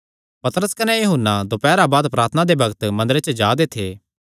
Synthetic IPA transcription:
pɐt̪ɾəskɐnejɐɦʊnːad̪opɛːɾabaːd̪pɾaːt̪ʰənad̪ebɐɡət̪mɐ̃nd̪əɾet͡ʃəd͡ʒaːd̪et̪ʰeː

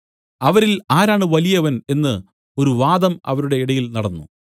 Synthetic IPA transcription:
ɐʋɐɾilaːɾaːɳɨʋɐlijɐʋɐne̞nːɨ | o̞ɾuʋaːd̪ɐmɐ̰ʋɐɾuɽe̞iɽɐjilnɐɽɐnːṵ

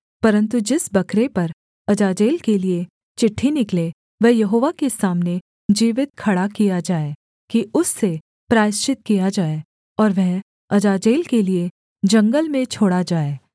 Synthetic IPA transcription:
pɐɾə̃nt̪ud͡ʒɪsbɐkɾepɐɾ | ɐd͡ʒaːd͡ʒeːlkelie | t͡ʃɪʈʰːinɪkle | ʋɛɦjɐɦoːʋakesaːmne | d͡ʒiːʋɪt̪̚kʰɐɽakijad͡ʒaːe | kiʊsːe | pɾaːɪʃt͡ʃɪt̪̚kijad͡ʒaːe | ɔːɾʋɛɦ | ɐd͡ʒaːd͡ʒeːlkelie | d͡ʒɐ̃ŋɡəlmẽt͡ʃʰoːɽad͡ʒaːeː

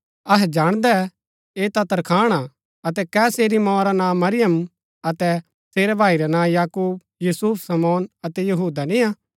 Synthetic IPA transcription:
ɐɦɛd͡ʒaːɽ̃d̪ɛ | eːt̪ɐt̪ɐɾkʰaːɽ̃a | ɐt̪ɛkɛːseːɾimɔ̃ːɾanãːmɐɾɪjəm | ɐt̪ɛ | seːɾɛbʱaːiɾɛnãːjaːkuːb | juːsuːpʰsɐmɔːnɐt̪ɛjɐɦuːd̪anĩaː

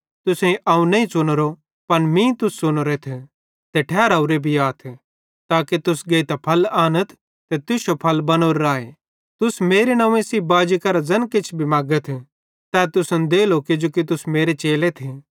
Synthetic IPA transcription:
t̪ʊsẽĩʔɐũnɐ̃ĩsʊnɾo | pɐnmĩːt̪ʊsːʊnɾet̪ʰ | t̪eʈʰɛːɾaʊɾebʱiaːt̪ʰ | t̪aːkit̪ʊsɡeːt̪apʰɐlaːnət̪ʰ | t̪et̪ʊsopʰɐlbɐnoːɾːaːe | t̪ʊsmeːɾenãːẽsiːbaːd͡ʒikɐɾad͡zɐnkɪt͡ʃʰbʱimaːɡət̪ʰ | t̪ɛːt̪ʊsənd̪eːloːked͡ʒoːkit̪̬ʊsmeːɾet͡ʃeːlet̪ʰe

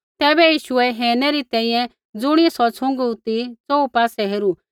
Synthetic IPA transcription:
t̪ɛːbɛjiːʃʊɛɦeːɾnɛɾit̪ɛ̃ːĩjɛ̃ | d͡zʊɽ̃iɛsɔt͡sʰʊ̃ŋɡut̪it͡soupaːsɛɦeːɾu

